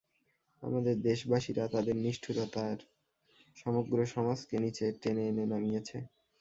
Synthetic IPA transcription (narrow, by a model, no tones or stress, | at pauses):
a̰mad̪eɾd̪eʃbaʃiɾat̪ad̪eɾniʃʈʰuɾot̪aɾ | ʃɔmoɡɾoʃɔmaskenit͡ɕʰeʈenenenamijet͡ɕʰe